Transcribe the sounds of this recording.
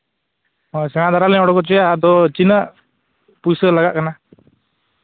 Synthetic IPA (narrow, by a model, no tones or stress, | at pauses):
ɔsɛŋad̪ʱaɾalɛɔɽɔkɔt͡ʃɔjad̪ɔt͡ʃinəʔ | pusəlaɡaʔkana